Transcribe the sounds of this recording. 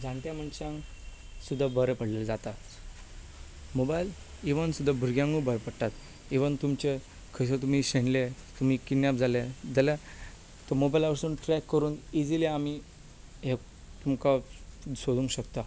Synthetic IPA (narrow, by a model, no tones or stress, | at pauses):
d͡zʱãɳʈ̪jam̤əɳɕãŋ | sud̪ʱːabəɾəpəɽ̤leld͡zat̪at̪ | mobajl | iʋənsud̪ʱːabʱuɾɡjãŋɡubəɾpəɽt̪at̪ | iʋənt̪umt͡ɕe | kʰəs̬ət̪um̤iɕeɳlet̪um̤iːkinːjap̚d͡zaled͡zəla | t̪ɔmobajlaʋəɾsuːnʈɾɛkːəɾuːnid͡zileami | ɦe | t̪umkasod̪ũŋkɕəkt̪a